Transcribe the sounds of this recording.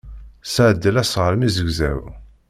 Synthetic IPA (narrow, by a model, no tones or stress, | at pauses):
sʕəd̪ːəlæsʁəɾmizəɡzæ̰w